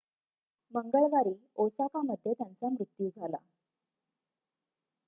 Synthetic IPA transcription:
məŋɡəɭʋaɾiːosakaməd̪ʱːjet̪jant͡samɾut̪juːd͡zʱala̰

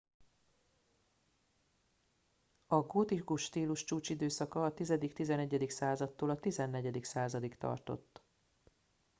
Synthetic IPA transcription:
ɒɡot̪ikuʃt̪iːluʃt͡ʃuːt͡ʃid̪øːsɒkɒːt̪izɛd̪ikt̪izɛnɛɟːɛd̪iksaːzɒt̪ːoːlɒt̪izɛnːɛɟɛd̪iksaːzɒd̪ikt̪ɒ̰rt̪o̞̰t̪ː

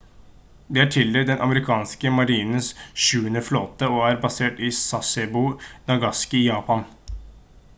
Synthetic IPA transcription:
d̪iːæːʈʰɪld̪ed̪ɛnʔɑ̰məɾɪkʰɑːnskəmɑɾiːnəsʃʉːənəfloːt̪əoːæɾbɑseːʈiːsɑsɛbunɑɡɑskɪjɑːpɑn

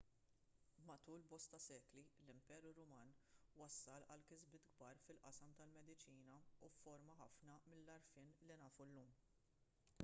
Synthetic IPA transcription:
mɐt̪uːlbɔst̪ɐsɛːklilɪmpɛːɾuɾʊmɐːnwɐsːɐlɐ̰lkɪzbɪːt̪ɡ̚bɐːɾfɪlʔɐ̰sɐmt̪ɐlmɛd̪ɪt͡ʃiːnɐufːɔɾmɐħɐfnɐmɪlːɐɾfɪːnlɪnɐːfulːuːm

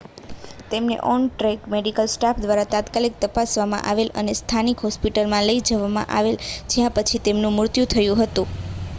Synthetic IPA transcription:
t̪emnḛʔɔnʈɾɛkmeɖikəlsʈapʰd̪ʋaɾat̪ãt̪kalik̚t̪əpasʋamã̰ʔaʋelənest̪ʰanikɦɔspiʈəlmãləid͡ʒəʋamã̰ʔa̰ʋeld͡ʒjãpət͡ʃʰit̪emnũmʊɾt̪jut̪ʰəjũɦət̪ũ

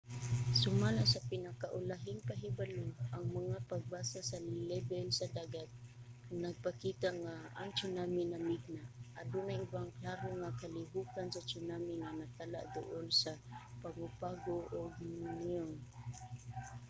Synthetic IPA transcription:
sʊmalasapɪnakaʔʊlaɦɪnpaɦibaloʔaŋmaŋapaɡ̚baːsasalɛbɛlsad̪aːɡat̪̚ | naɡ̚pakit̪aʔŋaːŋt͡ʃʊnamɪnamiɡ̚naʔad̪ʊnajʊbaŋklaɾoŋakalɪɦukansat͡ʃʊnamɪŋanat̪ala̰ʔd̪ʊ̰ʔolsa | paŋʊpaɡoʔoɡmʊnion

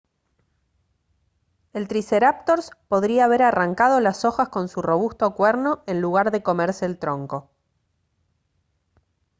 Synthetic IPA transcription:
e̞lt̪ɾiseɾap̚t̪o̞ɾspo̞ðɾiaːβ̞e̞ɾaraŋkað̞o̞laso̞xasko̞nsuro̞β̞ust̪o̞kweɾno̞e̞nluɣ̞aɾðe̞ko̞meɾseːlt̪ɾo̞ŋko̞

